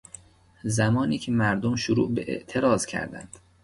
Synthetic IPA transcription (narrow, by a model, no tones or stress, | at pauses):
zæmɒːniːcʰemæɾd̪omʃʊɾṵːʔbeʔḛʔt̪ʰe̞ɾɒːzcʰæ̰ɾd̪æ̰nd̪̥